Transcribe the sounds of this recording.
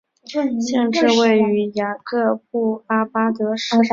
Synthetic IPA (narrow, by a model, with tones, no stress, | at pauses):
ɕjɛ˥˧nʈ͡ʂɻ̩˥˧we˥˩ɪy˧˥ja˨˩kɤ˥˧p̚u˥˩a˥pa˥t̪ɤ˧˥ʂ